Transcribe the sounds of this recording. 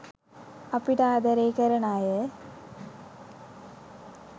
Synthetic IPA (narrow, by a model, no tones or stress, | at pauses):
ɐpːiʈaːd̪ɐɾeːkɐɾɐɳaːjɐ